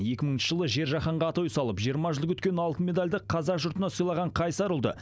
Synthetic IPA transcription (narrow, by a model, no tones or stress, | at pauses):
je̞kʲɪməɴɪnʃəʒəlˠəʒe̞ɾʒɑχɑɴʁɑːt̪ujsɑlˠəpʒijəɾmɑʒəlˠəkʰɵt̪kʲe̞nɑlˠt̪əmʲe̞d̪alʲd̪ɪqʰɑzɑʒʊɾt̪ənɑsojlˠɑʁɑɴqʰɑjsɑɾəlˠd̪ə̰